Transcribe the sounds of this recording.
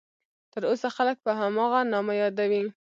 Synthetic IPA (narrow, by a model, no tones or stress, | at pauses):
t̪əɾosaxalək̚pəɦamɑɣanɑmajɑd̪awi